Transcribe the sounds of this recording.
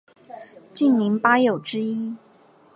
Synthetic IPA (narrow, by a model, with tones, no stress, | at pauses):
t͡ɕy˥˩nmi˧˥ŋpa˥jo˨˩ʊʈ͡ʂɻ̩˥i˥